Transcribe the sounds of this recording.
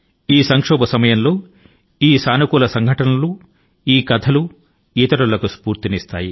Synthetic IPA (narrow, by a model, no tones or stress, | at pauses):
iːsɐŋkʂɔːbɐsɐmɐjɐnlo̞ː | iːsaːnɐkuːlɐsɐŋɡʱɐʈɐnɐlu | iːkɐd̪ʰɐlu | iːt̪ɐɾɐlɐkuspuːɾt̪iniːst̪a̰ːji